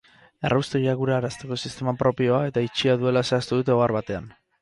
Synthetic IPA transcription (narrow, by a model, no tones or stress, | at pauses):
erʔawst̪ojaɣuɾaːɾast̪e̞ko̞sist̪e̞mapɾo̞pio̞ae̞t̪ait͡ʃiaðue̞lase̞ast̪uðut̪e̞oɣaɾβat̪e̞an